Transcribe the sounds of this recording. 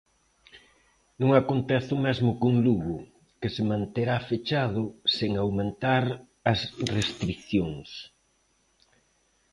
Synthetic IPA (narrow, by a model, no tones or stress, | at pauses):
nũŋakont̪ɛθʊmɛzmʊkuŋluɣɾʊ | kɪsemãnt̪eɾafet͡ʃað̞ʊseŋawmẽnt̪aɾ | ɐsrest̪ɾikθjoŋs